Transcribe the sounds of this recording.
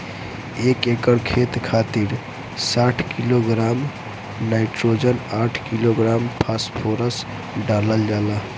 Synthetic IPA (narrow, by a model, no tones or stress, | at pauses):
ekekəɾkʰet̪kʰat̪iɾ | saʈʰkiloɡɾam | naɪʈɾod͡ʒənaʈʰkiloɡɾampʰaspʰoɾəs | ɖaləld͡ʒala